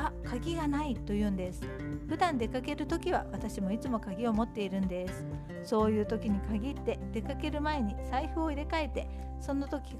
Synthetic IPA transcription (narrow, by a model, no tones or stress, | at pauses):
akʰaɡʲiɡanait̪ːo̞jɯ̟ːnd̪e̞sɨ̥ | ɸɯ̟d̪ãnd̪e̞kake̞ɾɯ̟t̪o̞kʲiβ̞a̰βat̪aɕimo̞it͡sɨmo̞kaɡʲio̞mo̞t̪ːe̞iɾɯ̟̃nd̪e̞sɨ̥ | so̞ːjɯ̟ːt̪o̞kʲiɲ̟ikaɡʲit̪ːe̞d̪̥e̞kake̞ɾɯ̟mae̞ɲ̟isaiɸɯ̟oiɾe̞kae̞t̪e̞ | sõ̞nːat̪o̞kʲi